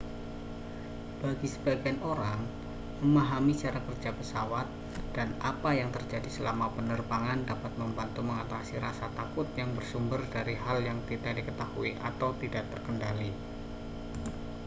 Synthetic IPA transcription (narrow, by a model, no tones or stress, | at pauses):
b̥aɡisəbaɡanoɾaŋ | məmaɦamit͡ʃaɾakərd͡ʒapəsawat̪̚ | d̥ana̰pajaŋt̪ərd͡ʒadisəlamapənərbaŋandapat̪̚məmbant̪uməŋat̪asiɾasat̪akʊt̪̚jaŋbərsumbərdaɾiɦaljaŋt̪idaʔdikət̪ahuiʔa̰t̪awt̪idaʔt̪ərkəndali